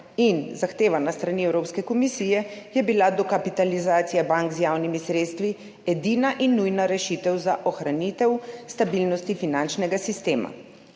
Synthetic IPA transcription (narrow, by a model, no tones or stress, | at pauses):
inzaxt̪eːʋanast̪ɾaniɛwɾoːpskɛkɔmisijɛjɛbilad̪ɔkapit̪alizaːt̪sijabaŋkzjaːwnimisɾeːt̪st̪ʋi | ɛd̪iːnaʔinːujnaɾɛʃit̪ɛwzaʔɔxɾanit̪ɛwst̪abilnɔst̪ifinant͡ʃnɛɡasist̪eːma̰